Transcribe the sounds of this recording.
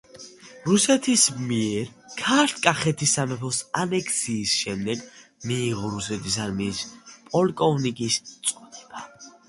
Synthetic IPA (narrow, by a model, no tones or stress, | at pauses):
ɾusɛt̪ʰismiɛɾkʰaɾt̪ʰkʼaχɛt̪ʰisamɛpʰɔsanɛkʰsiːsʃɛmd̪ɛɡmiːʁɔɾusɛt̪ʰis̬aɾmispʼɔlkʼɔvnikʼist̪sʼɔd̪ɛb̥a